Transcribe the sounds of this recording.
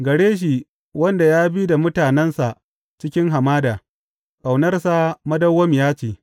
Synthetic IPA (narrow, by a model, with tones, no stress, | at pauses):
ɡɐ˨ɽeː˦ʃ̬i˨ | wɐ˦nda˨jaː˦bi˦da˨mʊ˦taː˨nɛ˦nsa˨ʔ | t͡ʃɪ˦kʲɪ˦ŋɦa˨maː˦daː˨ | ka˨wnɐ˦rsa˦mɐ˦dɐ˦wːɐ˦m˨jaː˦t͡ʃeː˨